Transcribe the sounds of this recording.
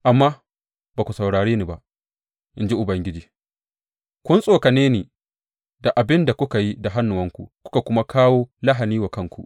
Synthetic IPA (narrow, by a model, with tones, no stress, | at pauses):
ʔa˨mːaː˦ | baː˨kʷu˨sɐ˨wɽaː˨ɽeː˦ni˨ba˦ʔ | ʔɪ˦nd͡ʒi˦ʔʊ˨bɐ˦ŋɡʲɪ˦d͡ʒiː˨ | kʷʊ˦nsʼoː˨ka˨neː˦neː˨ | da˨ʔa˨bɪ˦nda˨kʷʊ˦ka˨ji˦da˨ɦa˦nːʊ˨wɐ˦ŋkʷu˨kʷʊ̥˦ka˨kʷʊ˦ma˦kaː˦woː˦la˦ɦa˨niː˦wa˨kɐ˦ŋkʷṵ˨